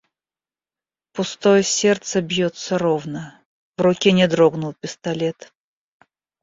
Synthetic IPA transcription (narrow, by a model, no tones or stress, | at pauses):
pʊst̪ojəsʲert̪səbjot̪səɾovnə | vrʊkʲenʲɪd̪ɾoɡnʊlˠpʲɪst̪ɐlʲet̪